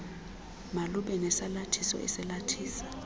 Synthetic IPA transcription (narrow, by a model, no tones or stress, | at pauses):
maluɓɛnɛsalatʰisɔ̰ʔɛ̰sɛlatʰiːsḁ